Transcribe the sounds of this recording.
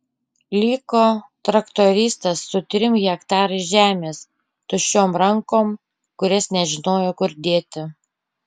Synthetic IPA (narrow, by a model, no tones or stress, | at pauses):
lʲiːkoːt̪ɾɐkt̪oːɾʲiːst̪ɐsːʊt̪ʲɾʲɪmɣʲɛkt̪ɑːɾɐɪʒʲæːmʲeːs | t̪ʊʃʲoːmɾɐŋkoːm | kʊɾʲɛsnʲɛʒʲɪnoːjoːkʊɾd̪ʲeːt̪ʲɪ